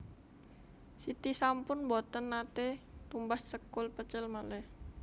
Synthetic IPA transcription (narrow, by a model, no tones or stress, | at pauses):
sit̪isampʊnbɔt̪ənːat̪ɛt̪umbassəkulpət͡ʃəlmalɛh